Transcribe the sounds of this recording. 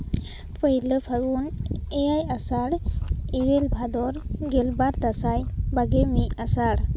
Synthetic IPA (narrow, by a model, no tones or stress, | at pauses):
pʰəjləpʰaɡunejajasaɽiɡɛlbʱad̪ɔɾɡɛlbaɾd̪asajbaɡemiasaɽ